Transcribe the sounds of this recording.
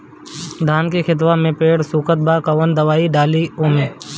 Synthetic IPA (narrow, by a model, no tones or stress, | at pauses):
d̪ʱaːnkixʰɪt̪ʋamẽpeːɽsuːkət̪̚baːkəʋənd̪əʋaːiɖaːlioːmẽː